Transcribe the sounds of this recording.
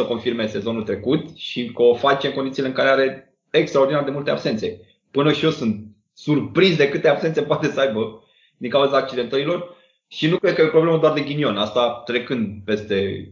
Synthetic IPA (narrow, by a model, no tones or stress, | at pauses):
əko̞nfirme̞se̞zo̞nult̪ɾe̞kut̪ʃikəofat͡ʃeŋko̞nd̪it̪sileɨŋkaɾeaɾe̞ | ekst̪ɾaod̪inaɾd̪e̞mult̪e̞abse̞nt̪se̞ | pɨnəʃijo̞sunt̪̚ | surpɾizd̪e̞kɨt̪eabsent̪se̞poat̪e̞səajbə | d̪iŋkauzaːk̚t͡ʃid̪e̞nt̪əɾilo̞r | ʃinukɾed̪̚kəjepɾoble̞mad̪oard̪e̞ɡʲinio̞nast̪at̪ɾe̞kɨnd̪pe̞st̪e̞